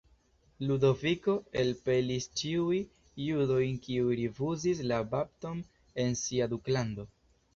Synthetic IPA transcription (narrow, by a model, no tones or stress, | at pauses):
ludo̞viko̞elpe̞list͡ʃiujː | udo̞jnkiujɾifuzis̬labap̚to̞m | e̞nsiaduklando̞